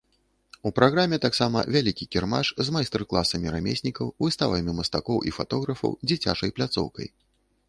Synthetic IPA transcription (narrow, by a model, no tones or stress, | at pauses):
upɾaɣɾamʲɛt̪aksamɐ̰vʲalʲikʲikʲɛrmaʂzmajst̪ɛrklˠasɐmʲiɾamʲḛsʲnʲikɐwvɨst̪avɐmʲimɐst̪akɔwʔḭfat̪ɔɣɾɐfɐ̰wd͡zʲit͡sʲa̰t͡ʂɐjplʲat̪sɔ̰wkɐ̰j